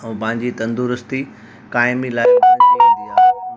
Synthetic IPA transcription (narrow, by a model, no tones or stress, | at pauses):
ɛ̃pɐ̃ɦɪ̃ɲd͡ʑit̪ɐ̃nd̪uɾʊst̪i | kaːɪmilaːɪia